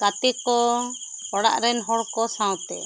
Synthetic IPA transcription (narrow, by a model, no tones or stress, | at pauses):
kat̪ɛkɔ | ɔɽa̰ʔɾɛnɦɔɽkɔsãwt̪ɛ̰